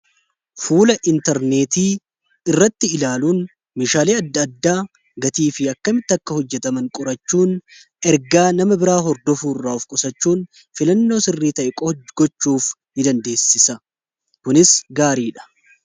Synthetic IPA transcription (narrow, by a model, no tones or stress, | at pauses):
fuːlɐʔɪnt̪ɛɾne̞ːt̪iː | ɪrːɐt̪ːɪɪlaːluːn | meːʃaːleːɐd̪ːɐɐd̪ːaː | ɡɐt̪iːfɪɐkːɐmɪt̪ːɪɐkːɐhɔd͡ʒːɛt̪ɐmɐŋkʼʊɾɐt͡ʃːuːn | ɛɾɡaːnɐmɐbɪɾaːɦɔɾd̪ɔfuːrːaːʊfkʼʊsɐt͡ʃːuːn | fɪlɐnːo̞ːsɪrːiːt̪ɐʔɛkʼɡ̥ɔt͡ʃːuːf | hɪd̪ɐnd̪e̞ːsːɪsɐ | kʊnɪsɡaːɾiːᶑɐ̥